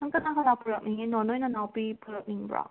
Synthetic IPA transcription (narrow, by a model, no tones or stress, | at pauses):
ɐŋkɐnaɦɐlapʰuɾɐk̚niŋinɔnojnɐnawpipʰuɾɐk̚niŋbɾa̰